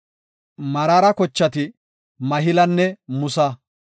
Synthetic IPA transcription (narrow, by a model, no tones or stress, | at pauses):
mɐɾaɾɐkɔt͡ʃːɐt̪ɪ | mɐɦɪlɐnːɛmʊsɐ